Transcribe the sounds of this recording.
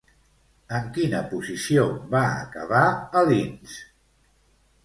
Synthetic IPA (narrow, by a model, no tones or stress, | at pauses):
əŋkinəpuzisiobaə̰kəβaəlins